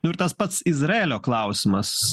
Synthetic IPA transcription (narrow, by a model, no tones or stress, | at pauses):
nʊɪɾt̪aspat̪sizɾɛːlʲoːklˠɑwsʲmɐs